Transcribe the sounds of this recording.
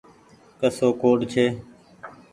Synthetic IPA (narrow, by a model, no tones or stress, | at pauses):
kəsoːkoːɖt͡ʃʰeː